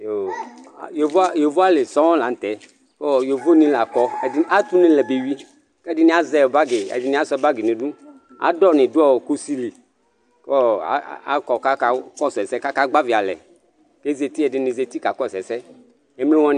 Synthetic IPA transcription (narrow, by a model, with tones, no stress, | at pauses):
jo̰˨je˨vo˦a˦je˨vo˦a˦le˨sɔ˦wɔ̃˦la˨n̩˨t̪ɛ˨ | kɔ˦˨je˨vo˦nĩ˦la˨kɔ˦ɛ˨ɪ˦a˦t̪u˦nɪ̃˦lɛ˨be˨wi˦ | kɛ˦dɪ˦nĩ˦a˦zɛ˨ba˦ɡe˨ɛ̰˨dɪ˦nĩ˦a˦sɔ˧˦ba˦ɡe˨nẽ˨dũ˦ | a̰˨˦dɔ˦nɪ̃˨du˦ɔ˦˨ku˦si˦li˨ | kɔ˦a̰˨˦a̰˨kɔ˨ka˦ka˦kɔ˦˨sɛ˨sɛ˦ka˦ka˦ɡ͡ba˦vi˨a˨lɛ̰˨ | ke˦ze˨t̪i˦ɛ˨ɪ˨nɪ̃˨ze˨t̪i˦ka˨kɔ˦˨sɛ˨sɛ˦ | e˨˦mle˦wɔ̃˦n˨